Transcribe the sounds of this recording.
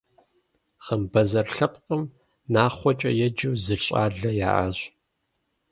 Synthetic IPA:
χəmbɐzɐrɬɐpqʼəm | naːχʷɔt͡ʃʼɐjɛd͡ʒɨwzɨɬɕʼa̰ːɮɐja̰ːʔa̰ɕ

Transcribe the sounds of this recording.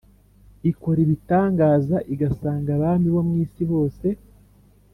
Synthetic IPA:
iko̞ɾiβitaːŋɡaːzaʔiɡasaːŋɡaβaːmbiβo̞mŋiːsiβo̞ːse̞

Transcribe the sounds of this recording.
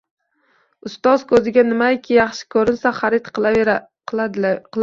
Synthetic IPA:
ʊst̪ɒzkʰɵzɪɡʲanɪmajkʲʰɪjɑχʃɪ̥kʰɵɾɪnsaχaɾɪt̪q | qɨl

